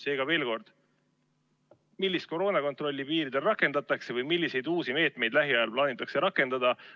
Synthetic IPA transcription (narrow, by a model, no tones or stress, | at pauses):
se̞ːɡ̥ɑve̞ːlko̞rd̪̥ | milʲːist̪̚ko̞ɾo̞ːnɑko̞nt̪ro̞lʲːipiːɾid̪̥e̞lrɑkːˑe̞nd̪̥ɑt̪ːˑɑkse̞vɯjmilʲːise̞jd̪uːsime̞ːt̪ˑme̞jd̪̥læɦiɑjɑlplɑːnit̪ːˑɑkse̞ɾɑkːˑe̞nd̪̥ɑd̪̥ɑ